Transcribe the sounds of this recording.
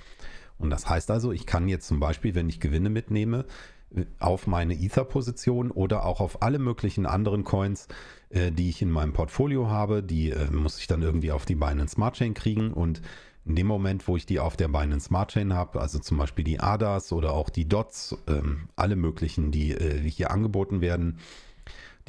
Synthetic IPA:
ʔʊntd̥ashaɪstʔalzoɪçkʰanjɛt͡stt͡sʊmbaɪʃpiːlvɛnɪçɡ̥əvɪnəmɪtneːmə | ʔa̰ʊfmaɪnəʔiːθapʰozit͡sjoːnʔoːdɐʔa̰ʊxaʊfʔaləmøːklɪçn̩ʔa̰ndəʁ̞ənkʰɔʏns | ʔɛːdiːɪçɪnmaɪnəmpʰɔɐtfoːljoɦaːbədiːʔɛːmʊsɪçd̥anʔɪɐɡŋ̩tv̥iːaʊfd̥iːbaɪnəənsmaɐt̚t͡ʃɛːnkʁ̥iːɡŋ̩ʔʊ̰nt | ʔɪndeːmːomɛntv̥oːɪçd̥iːa̰ʊfd̥eːɐbaɪnəənsmaɐt̚t͡ʃɛːnhaːbəʔa̰lzot͡sʊmbaɪʃpiːldḭːʔa̰ːdasʔoːɾɐaʊxd̥iːdɔtsʔɛ̰ːmʔa̰ləmøːklɪçn̩diːʔɛːhiːɐʔa̰nɡəboːtn̩veːɐdn̩

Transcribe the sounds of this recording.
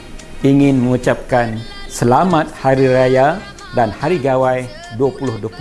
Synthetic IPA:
iŋɪ̃nmə̃ŋut͡ʃap̚kan | səlamat̪̚haɾiɾaja | danhaɾiɡawaj | duapulʊhduapu

